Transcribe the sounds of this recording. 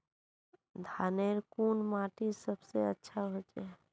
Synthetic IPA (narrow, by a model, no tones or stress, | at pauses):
d̪ʱaneɾkunmaʈisəbseətːʃʰaɦot͡ʃe